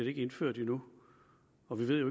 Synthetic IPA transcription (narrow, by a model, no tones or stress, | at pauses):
ɐɾee̝ɡ̥əe̝nføɐ̰d̥inu | ɒ̽ʋiʋe̝ð̰joe